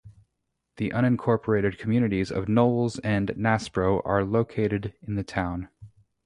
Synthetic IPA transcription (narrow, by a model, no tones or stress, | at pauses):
ðiʔʌ̃ɾ̃ɨ̃nkʰɔɹpʰə˞eɪɾɨd̚kʰm̩jʉnɨɾizʌ̰vnoʊlˠzɨ̃nːæspɹoʊʔə˞loʊkʰeɪɾɨɾɨ̃nðɨtʰãʊ̃n